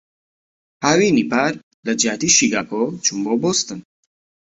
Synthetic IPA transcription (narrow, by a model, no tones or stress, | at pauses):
haːwinipaːɾ | lɐd͡ʒaːt̪iʃiɡaːkot͡ʃʰumboboːst̪ɨn